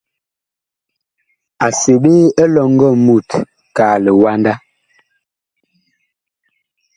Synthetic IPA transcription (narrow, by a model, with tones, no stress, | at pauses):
a˨se˨ɓe˦ɛ˦lɔ˨ŋ˦ɡɔ˦˨mu˦˨t | kaː˨lɛ˨wa˦nda˦